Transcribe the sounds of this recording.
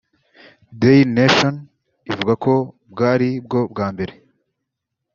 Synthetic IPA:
deneʃon | ivuɡako̞ | bɡaːɾib̚ɡo̞bɡaːmbe̞ɾe̞

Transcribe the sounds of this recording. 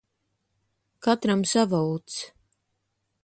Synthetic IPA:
kat̪ɾamsavɔwt̪s

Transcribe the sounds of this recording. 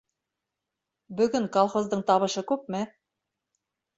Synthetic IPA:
bɵ̆ɡɵŋkolˠχozd̪ɤɴt̪ɑβɤ̆ʃɤkʉp̚mɘ

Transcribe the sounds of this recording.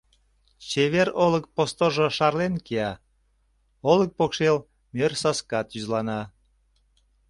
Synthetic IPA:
t͡ɕeβeɾolək̚post̪oʒoʃɑrlenkiɑ | olək̚pokʃel | mørsɑskɑt̪yzlɑnɑ

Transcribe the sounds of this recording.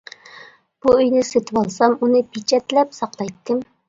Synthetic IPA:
b̥uøjnɪset̪ʰɨwɑlˠsɑmunɨpʰit͡ʃʰɛt̪lɛpsɑqlˠɑjt̪ʰːɨm

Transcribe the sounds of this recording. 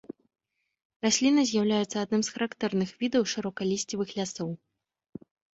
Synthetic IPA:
rasʲlʲinɐzʲjawlʲajɛt̪sːɐad̪̚nɨmsxɐɾakt̪ɛrnɨxvʲid̪ɐwʂɨɾɔkɐlʲisʲt͡sʲivɨxlʲasɔw

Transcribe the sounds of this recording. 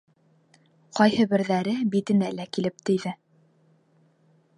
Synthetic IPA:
qɒjhɤbɘ̆ɾðæɾɘbit̪ɘ̆nælækilɘp̚t̪ɘ̆jðɘ

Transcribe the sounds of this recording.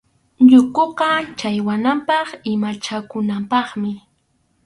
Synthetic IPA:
ʎʊkoqɑt͡ʃajwanampɑχɪmat͡ʃakʊnampɑχmɪ

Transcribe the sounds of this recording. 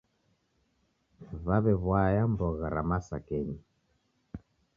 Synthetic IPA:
βaβɛβwajambɔɣaɾamasakɛɲi

